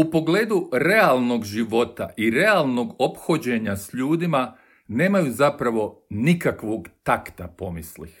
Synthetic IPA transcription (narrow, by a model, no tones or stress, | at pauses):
upo̞ɡle̞ːd̪uɾe̞alˠno̞ɡʒiʋo̞t̪a̰ʔiɾe̞alˠno̞ɡo̞pxo̞d͡ʑe̞ɲasʎuːd̪ima | ne̞ːmajuzapɾaʋo̞nikakʋo̞ɡt̪akt̪apo̞mislḭx